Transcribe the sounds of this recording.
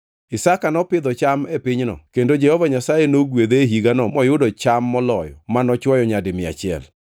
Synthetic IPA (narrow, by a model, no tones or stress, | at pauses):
ɪsakanɔpɪd̪ɔt͡ʃamepɪɲnɔ̰kendod͡ʒɛhɔvaɲasajenoɡwed̪eɦiɡanɔmɔjʊdɔt͡ʃamːɔlɔjɔ̰manɔt͡ʃwɔjɔɲadɪmɪa̰t͡ʃɪɛ̰l